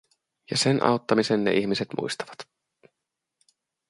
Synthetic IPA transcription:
jɑsenʔɑ̰wt̪ːɑmisenːeʔiçmise̞t̪mṵjst̪ɑ̥ʋɑt̪

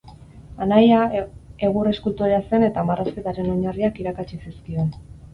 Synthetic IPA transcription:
anajae̞ɣure̞skult̪uɾease̞ne̞t̪amarʔaspe̞t̪aɾe̞no̞ɲariakiɾakat͡ʃisiskio̞n

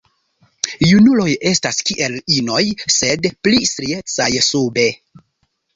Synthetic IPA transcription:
junulo̞je̞staskiʔe̞lino̞jse̞dplistɾie̞t͡sajsube̞

